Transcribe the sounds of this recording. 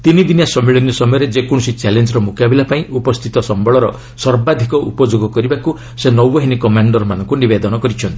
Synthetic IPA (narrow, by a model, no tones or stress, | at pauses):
t̪inid̪injasɔmiɭinɔsɔmɔjɔɾed͡ʒekɔɽ̃sit͡ʃalend͡ʒɔɾɔmukabilapaĩʔupɔst̪ʰit̪ɔsɔmbɔɭɔɾɔ | sɔɾbad̪ʱikɔʔṵpɔd͡ʒoɡɔkɔɾibaku | senɔwːɔɦinikɔmaɳɖɔɾmanɔŋkunibed̪ɔnɔkɔɾit͡ʃʰɔnt̪i̥